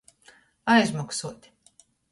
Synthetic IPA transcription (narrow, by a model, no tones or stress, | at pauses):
ajzmaksuɔt̪ʲ